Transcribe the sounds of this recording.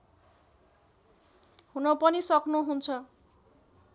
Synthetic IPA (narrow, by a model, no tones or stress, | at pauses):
hunʌpʌnisʌknuɦunt͡sʰʌ